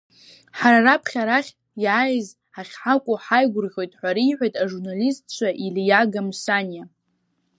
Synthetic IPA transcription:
ħaɾarapʰχʲaɾaχʲ | jaːjz | aχʲħakʷʼʊħajɡʷʊrχʲo̞jtʼħʷaɾiːħʷajtʼaʐurnalistt͡ʃʷʰaʔiljaɡamsanja

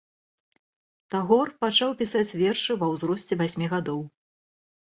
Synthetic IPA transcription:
t̪aɣɔrpat͡ʂawpʲisat͡sʲvʲɛrʂɨvɐwzɾɔsʲt͡sʲɛvasʲmʲiɣad̪ɔw

